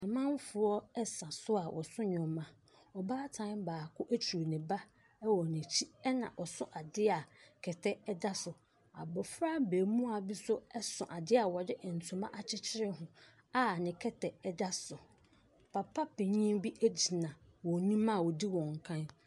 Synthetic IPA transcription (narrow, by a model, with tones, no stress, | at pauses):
ɛ˨mã˦n˦fʊ˨ɔ˦ɛ˦sã˨sʊ˦a˨wʔɔ̰˨sʊ̃˦ɲᶣɔ̃˨mã˨ | ɔ˨baː˦tʰã˦nbaː˨kʰʊ˦ʔæ˦t͡ɕʰu˨ɾnɪ̃˨ba˦ | ɛ˦wɔ˨nɪ̃˨t͡ɕʰi˦ɛ˦nã̰˨ʔɔ˨sʊ̃˦ʔa˨dɪ˦a˨kʰɛ˨tʰɛ˦ɛ˦da˦sʊ˨ | a̰˨bɔ˨fɾa˦beː˨mũ˦a˨bi˦sʊ˦ɛ˦sʊ̃˨ʔa˨dɪ˦a˨wɔ˨dɪ˦ʔn̩˨tʰũ˨mã˦ʔa˨t͡ɕʰɪ˦t͡ɕʰɪ˦ɾɪ˦hʊ̃˨ | a˦˨nɪ̃˨kʰɛ˦tʰɛ˨ɛ˦da˦sʊ˨ | pʰa˨pʰa˦pʰɪ̃˨ɲĩ˦bi˦ʔæ˦d͡ʑi˨nã˨wɔ˨nĩ˦mã˦˨wɔ˨di˦wɔ̃˨ŋ̩˨kʰã˦n